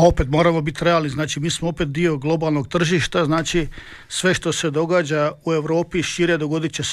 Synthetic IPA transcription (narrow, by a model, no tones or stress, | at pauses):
o̞pe̞t̪mo̞ːɾamo̞bit̪ɾeaːlniznaːt͡ʃimiːsmoopet̪̚d̪io̞ɡlˠo̞balˠno̞ɡ̚t̪r̩ʒiʃt̪aznaːt͡ʃi | sʋe̞ʃt̪o̞se̞d̪o̞ɡaːd͡ʑaue̞ʋɾo̞ːpiʃiɾjed̪o̞ɡo̞d̪it͡ɕes